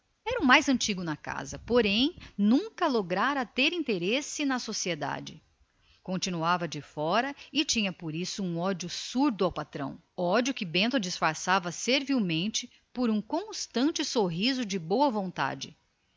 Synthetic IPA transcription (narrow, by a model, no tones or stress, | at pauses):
ɛɾɐʊmajzɐ̃nt͡ʃiɡʊnɐka̰zɐpoɾẽj̃nũŋkɐloɡɾaɾɐt̪eɾĩt̪eɾesɪnɐsosied̪a̰d͡ʒɪ | kõnt͡ʃinuavɐd͡ʒɪfɔɾɐɪt͡ʃĩɲɐpoɾisʊũɔd͡ʒjʊsuɾd̪ʊawpat̪ɾɐ̰̃w̃ | ɔd͡ʒjʊkɪbẽnt̪ʊd͡ʒɪsfaɾsavɐseɾviwmẽnt͡ʃɪ | poɾũkõst̪ɐ̃nt͡ʃɪsoɦizʊd͡ʒɪbowɐvõnt̪a̰d͡ʒɪ